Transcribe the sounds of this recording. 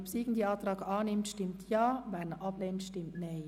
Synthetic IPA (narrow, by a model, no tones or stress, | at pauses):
psiːɡn̩diːɑːtrɑːkɑːnɪmtʃtɪmtʰjaːʋɛnʔɑpleːntʃtɪmtneː